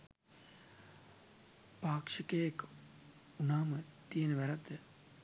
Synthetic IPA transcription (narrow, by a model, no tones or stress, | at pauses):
paːkʂəkeːek | unaːmət̪ijenəʋæɾat̪ːə